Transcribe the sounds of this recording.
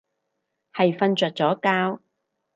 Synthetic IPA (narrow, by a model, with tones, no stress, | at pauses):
hɐ˨jfɐ˧nt͡ʃœː˨t̚t͡sɔː˨˥kaː˥w